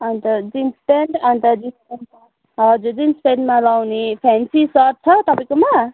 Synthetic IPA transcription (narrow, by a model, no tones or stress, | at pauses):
ʌnt̪ʌd͡zinspenɖʌnt̪ʌd͡zispeɳɖ | ɦʌd͡zud͡zinspeɳɖmalawnepʰɛnsisʌɾ̚t͡sʰʌt̪ʌpaĩj̃koma